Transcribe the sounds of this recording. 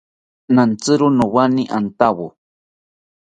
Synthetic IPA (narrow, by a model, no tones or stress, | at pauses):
nant͡sɨɾunowaniʔant̪awu